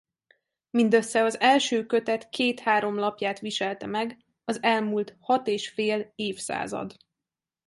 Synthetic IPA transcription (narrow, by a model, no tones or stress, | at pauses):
mind̪øsːɛɒzɛlʃøːkø̞t̪ɛt̪kʰeːt̪haːɾo̞mlɒpjaːt̪ʋiʃɛlt̪ɛmɛɡ | ɒzɛlmult̪hɒt̪eːʃfeːleːfsa̰ːzɒ̰d̪